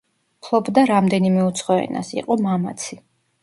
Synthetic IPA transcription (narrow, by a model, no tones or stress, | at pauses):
pʰlˠɔbd̪aɾamd̪ɛnimɛut̪sʰχɔɛ̰na̰sḭqʼɔmama̰t̪sʰi